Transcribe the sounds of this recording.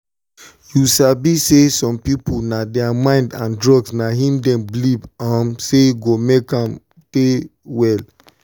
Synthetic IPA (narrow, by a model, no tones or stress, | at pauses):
jusabisesɔ̃mpipunadɛamãɪ̃ndãndɹɔɡsnaɦĩmdɛ̃mblibamseɡomekãm | tewɛl